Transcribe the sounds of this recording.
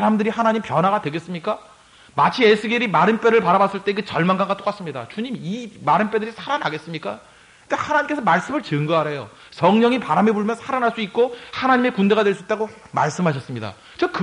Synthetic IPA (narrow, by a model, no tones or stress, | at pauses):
ɾamdɯɾihanaɲimpjʌnɦaɣadwe̞ɡe̞s͈ɯmɲik͈a | mat͡ɕʰiesʰɯɡeɾimaɾɯnp͈e̞ɾɯɭpaɾabas͈ɯɭt͈e̞kɯt͡ɕʌɭmanɡaŋɡat͈ok͈as͈ɯmɲida̰t͡ɕuɲimimaɾɯnp͈e̞dɯɾisʰaɾanɦaɡe̞s͈ɯmɲik͈a | ehanaɲimke̞sʰʌmaɭs͈ɯmɯɭt͡ɕɯŋɡʌaɾe̞jo | sʌŋɲʌŋipaɾamebuɭmjʌnsʰaɾanɦaɭs͈uik̚k͈ohanaɲimekunde̞ɣadwe̞ɭs͈uit͈aɡo | ma̰ɭs͈ɯmɦaɕʰʌs͈ɯmɲida̰ | t͡ɕɯkk